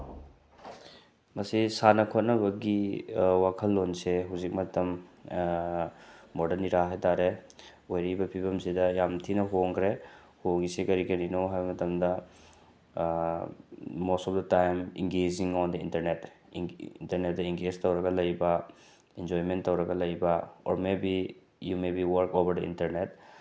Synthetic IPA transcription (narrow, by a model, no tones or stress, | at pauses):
mɐsisanɐkʰot̚nɐbɐɡiwakʰɐlːonseɦuzik̚mɐtɐm | ɔdɐɾniɾaɦejtaɾe | ojɾibɐpʰibɐmsidɐjamtʰinɐɦoŋkʰɾe | hoŋɡisekɐɾikɐninoɦajbɐmɐtɐmdɐ | ɔsɔld̪ɐtajmḭŋɡeziŋɔnd̪ɐḭntɐɾnet | ntɐɾnet̚d̪aiŋɡeztɐwɾakalɐjba | ɛnd͡ʒɔjmentːɐwɾakalɐjbaɔ̰ɾmebi | jumebiwɐɾkobɐɾd̪ɐḭ̃ntɐɾnet̚